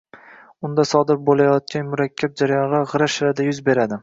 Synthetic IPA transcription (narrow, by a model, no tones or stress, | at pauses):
ʊnd̪asɒd̪ɪɾbolˠajɒt̪̚kʲʰanmʊɾakʲʰːab̚d͡ʒaɾajɒnʁɑʁɨɾaʃɪɾad̪ajʊzbe̞ɾad̪ɪ